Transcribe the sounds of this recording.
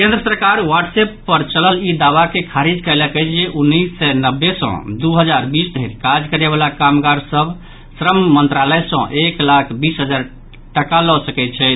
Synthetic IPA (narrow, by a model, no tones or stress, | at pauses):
kẽnd̪ɾəsəɾkaɾwaʈsepːəɾt͡ʃələlid̪aʋakekʰaɾid͡ʒkəɪləkɛt͡ʃʰd͡ʒeʔunːisːɛnəbːesɔ̰̃d̪uɦəd͡ʒaɾbisd̪ʱəɪɾkad͡ʒkəɾeβalakamɡaɾsəbʱ | sɾəmmənt̪ɾaləjsə̃ʔeklakʰbisɦəd͡ʒaɾ | ʈəkalɔsəkɛt̪t͡ʃʰɛt̪